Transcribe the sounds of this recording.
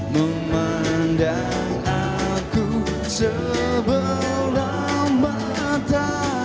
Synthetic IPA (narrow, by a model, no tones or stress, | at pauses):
mə | ma | nda | ŋa | ku | sə | bəlla | ma | t̪a